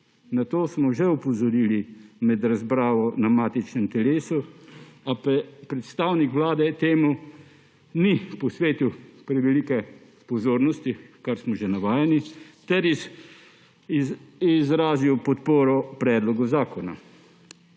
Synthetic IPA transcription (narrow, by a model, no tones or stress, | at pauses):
nat̪oːsmɔʒɛupɔzɔɾiːlimɛd̪ɾazbɾaːʋɔnamaːt̪it͡ʃnɛmt̪ɛleːsuappɾɛt̪st̪awnikʋlaːd̪ɛt̪eːmu | nipɔsʋeːt̪iwpɾɛʋɛlikɛ | pɔzoːɾnɔst̪ikaɾsmɔʒɛnaʋaːjanit̪ɛɾ | izɾaːziwpɔt̪poːɾɔpɾɛːd̪lɔɡɔzaːkɔna̰